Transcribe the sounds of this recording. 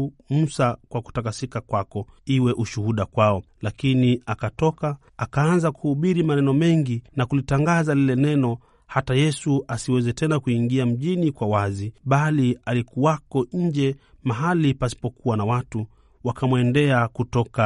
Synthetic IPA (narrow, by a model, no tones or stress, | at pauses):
musakwaku̥takasikakwakɔiwɛʔuʃuhuɗakwaɔlakiniakatɔkaː | kaanzakuhuɓiɾimanɛnɔmɛŋɡinakulitaŋɡazalilɛnɛnɔ | hatajɛsuʔasiwɛzɛtɛnakuiŋɡiam̩ʄinikwawaziɓalialikuwakɔɲ̩d͡ʒɛmaɦalipasi̥pɔkuwanawatu | wakamwɛndɛakutɔka